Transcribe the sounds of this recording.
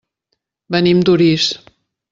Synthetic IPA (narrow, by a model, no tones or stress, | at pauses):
bənimd̪uɾis